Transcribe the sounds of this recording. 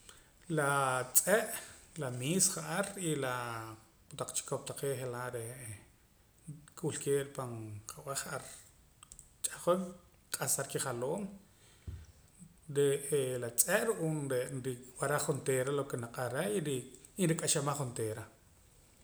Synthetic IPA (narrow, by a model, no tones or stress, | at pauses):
lat͡sʼeʔlamiːsχaʔaɾila | t̪aq͡χt͡ʃi̥kop̚t̪aqeːʔχelaʔɾe | kʼulkeːʔɾpanqʰaʔw̰ʔaχaʔaɾ | t͡ʃʼaχol | qʼasaɾkiχaloːm | ɾeelat͡sʼeʔɾuʔuːnɾenɾiwaɾaχχunt̪eːɾalokenaqʼaɾeiɾiː | nɾikʼaʃamaχːunt̪eːɾa